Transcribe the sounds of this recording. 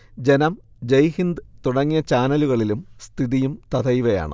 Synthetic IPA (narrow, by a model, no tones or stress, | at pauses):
d͡ʑenɐm | d͡ʑejhind̪ɨt̪uɽɐŋːijɐt͡ɕaːnɐluɣɐɭilumst̪ʰiðijumt̪ɐd̪ɐjʋɐja̰ːɳɨ̰